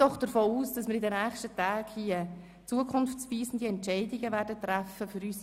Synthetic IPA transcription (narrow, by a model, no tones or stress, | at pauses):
ɔχd̥əɾfoːuːsd̥ɑsmɪɾidɛnæːχʃtətaːɡhiə | t͡suəkʰʊnft͡sviːsn̩d̥iɛntt͡ʃɛɪdɪɡəʋæːɾdət̪ɾæfəfʏɾyːs